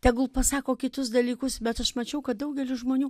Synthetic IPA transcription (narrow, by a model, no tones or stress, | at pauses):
t̪ʲɛɡʊlˠpɐsɑːkoːkʲɪt̪ʊs̬d̪ɐlʲiːkʊsbʲɛt̪ɐʃmɐt͡ʃʲɛʊkɐt̪̚d̪ɐʊɡʲɛlʲɪʒmoːnʲuː